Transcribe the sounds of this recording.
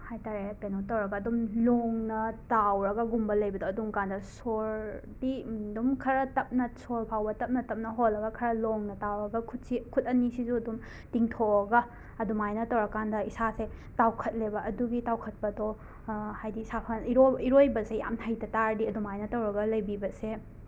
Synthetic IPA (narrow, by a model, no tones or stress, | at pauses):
hajtaɾeɐkɐjnotɐwɾɐɡɐːdumloŋnɐtawɾɐɡɐɡumbɐlɐjbɐdoɐdumkandɐsoɾ | didumkʰɐɾɐtɐp̚nɐsoɾpʰawbɐtɐp̚nɐtɐp̚nɐɦolːɐɡɐkʰɐɾɐloŋnɐtawɾɐɡɐkʰut̚sikʰut̚ɐnisizuɐdum | tiŋtʰoɐɡɐ | ɐdumajnɐtɐwɾɐkːandɐisasetawkʰɐt̚lebɐɐduɡitawkʰɐt̚pɐdo | hajdisapʰɐniɾoiɾojbɐseja̰mhʰɐjtɐtaɾdiɐdumajnɐtɐwɾɐɡɐlɐjbibɐse